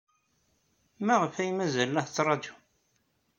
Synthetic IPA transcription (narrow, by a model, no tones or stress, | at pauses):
mæʁəfæjmæzælːəht͡sːɾˤɑd͡ʒu̥